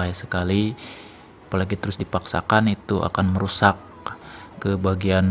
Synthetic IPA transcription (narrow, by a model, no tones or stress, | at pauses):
ajasəkali | apəlaɡit̪əɾʊsdipaksa̰kanit̪uʔa̰kanməɾusak̚ː | əbaɡian